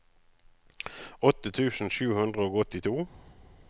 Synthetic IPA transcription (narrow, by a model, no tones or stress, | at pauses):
ɔt̪ət̪ʰʉːsn̩ʃʉːhʉnd̪ʁəoːɡɔt̪ɪt̪ʰuː